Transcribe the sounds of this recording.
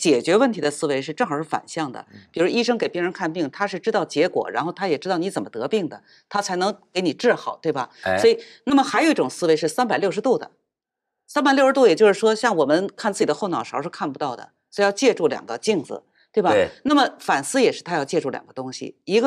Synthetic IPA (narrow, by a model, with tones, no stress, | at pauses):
t͡ɕjɛ˨˩t͡ɕɥɛ˧˥wə˥˩nt̪ʰi˧˥d̪ə˧sɹ̩˥we˧˥ɪʂ̬ɻ̩˥˧ʈ͡ʂɤ˥˩ŋxɑ˨˩ʊʂɻ̩˥˩fa̰˨˩nɕjɑ˥˩ŋd̪ə̰˩pi˨˩ɻu˧˥ɔ˥i˥ʂɤ˥ŋke˨˩ɪpji˥ɻə˧˥nkʰa˥˧npi˥˩ŋt̪ʰa˥ʂɻ̩˥˩ʈ͡ʂɻ̩˥t̪ɑ˥˩ʊt͡ɕjɛ˧˥kwɔ̰˨˩ɻa˧˥nxo˥˩ʊt̪ʰa˥jɛ˨˩ʈ͡ʂ̩˥t̪ɑ˥˩ʊn˧˥t͡sə˨˩nmə˦t̪ɤ˧˥pi˥˩ŋd̪ə̰˩ | t̪ʰa˥t͡sʰa˧˥ɪnɤ˧˥ŋke˧˥ɪni˨˩ʈ͡ʂɻ̩˥˩xɑ˨˩˦ʊt̪we˥˩ɪbɐ˩sɔ˧˥i˨˩ | na˥˩mə˩xa˧˥ɪo˨˧˩i˥ʈ͡ʂʊ˨˩ŋsɹ̩˥we˧˥ʂɻ̩˥˩sa˥npa˨˩ɪljo˥˩ʊʂɻ̩˧˥t̪u˥˩d̪ə̰˩ | sa˥npa˨˩ljʊʂɻt̪u˥˩jɛ˨˩t͡ɕjo˥˧ʊʂɻ̩˥˩ʂwɔ˥ɕjɑ˥˩ŋwɔ˨˩mə˦nkʰa˥˧nt͡sɹ̩˥˩t͡ɕi˨˩d̪ə˦xo˥˩ʊnɑ˨˩ʊʂɑ˨˩˥ʊʂɻ̩˥˧kʰa˥˩npu˧t̪ɑ˥˩ʊd̪ə̰˩ | sɔ˧˥jɑ˥˧ʊt͡ɕjɛ˥˧ʈ͡ʂu˥˩ljɑ̰˨˩ŋɡə˦t͡ɕi˥˩ŋd͡zɹ̩̰˩ | t̪we˥˩bɐ˨na˥˩mə˩fa˨˩nsɹ̩˥jɛ˨˩ʂɻ̩˥˩t̪ʰa˥jɑ˥˧ʊt͡ɕjɛ˥˧ʈ͡ʂu˥˩ljɑ̰˨˩ɡə˧˦t̪ʊ˥ŋɕḭ˨˩i˧˥ɡə˧